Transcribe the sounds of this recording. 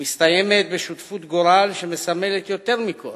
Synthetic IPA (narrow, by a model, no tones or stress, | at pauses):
mist̪ajemet̪̚beʃut̪fut̪ɡoɾalʃemesamelet̪jo̞t̪eʁmikʰol